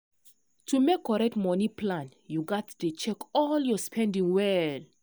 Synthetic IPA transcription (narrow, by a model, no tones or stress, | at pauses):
tʰumekːɔɹɛk̚tmɔnipʰlãnjuɡɔtdet͡ʃɛkɔljɔspʰɛ̃ndĩŋwɛl